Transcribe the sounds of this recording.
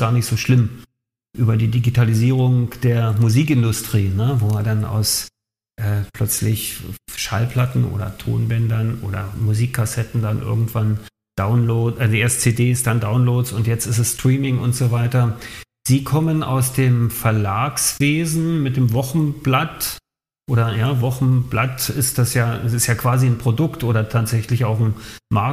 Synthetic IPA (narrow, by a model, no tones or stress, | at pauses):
ɡ̥aːɐnɪçtz̥oːʃlɪm | ʔyːbɐdiːdiɡitʰaliziːʁ̞ʊŋd̥eːɐmuziːkɪndʊstʁ̥iːnəvoːadanʔa̰ʊs | ʔɛːpʰl̥œt͡slɪçʃalpl̥atn̩ʔo̰ːdɐ̰tʰo̰ːnbɛndɐnʔo̰ːdɐ̰muziːkʰːasɛtn̩danʔɪ̰ɐɡŋ̩tv̥an | d̥aʊnloːʔɛdiɛst͡seːdeːsd̥andaʊnloːtsʊntjɛt͡stɪsɛstʁ̥iːmɪŋʊ̰ntz̥oːvaɪtɐ | z̥iːkʰɔməna̰ʊsd̥eːmfɛɐlaːksv̥eːzn̩mɪt̚d̥eːmvɔχn̩b̥lat | ʔoːɾɐjaːvɔχn̩blatɪstd̥asjaːsɪstjaːkv̥aːzinpʁ̥odʊktʔoːɾɐtʰaːtz̥ɛçlɪçaʊxn̩ma